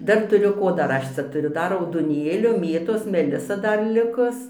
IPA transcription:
ˈdɐr tʊˈrʲʊ ˈkoː ˈdɐr ˈɐʃ t͡sʲɛ tʊˈrʲʊ ˈdɐr rɐʊdoːˈnʲeːlʲoː ˈmʲeːtoːs mʲɛˈlʲɪsɐ ˈdɐr ˈlʲɪkʊs

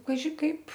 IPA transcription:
kɐˈʒʲɪ kɐɪp

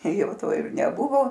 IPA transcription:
ˈjɛʊ ˈtoː ɪr nʲɛˈbʊʋoː

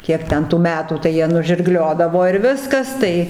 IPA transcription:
ˈkʲiɛk ˈtʲɛn tuː ˈmʲæːtuː tɐɪ ˈjiɛ nʊʒʲɪrˈɡlʲoːdɐʋoː ɪr ˈʋʲɪskɐs ˈtɐɪ

